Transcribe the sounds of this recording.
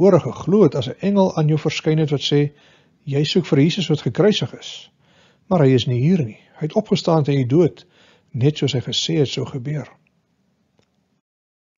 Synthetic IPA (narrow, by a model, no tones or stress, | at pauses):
uəɾəχəχluətɐsəʔɛŋəlˠɑːnjəwfərskɛjnɦɛtvɐtsɛː | jɛjsukfərjiːsəsvɐtχəkrœɥsəχəs | mɐrɦəjəsniɦiːrni | həjɛtɔpχəstɑːntəniduət | nɛtsuəsɦəjχəsɛːɦɛtsəwχəbiər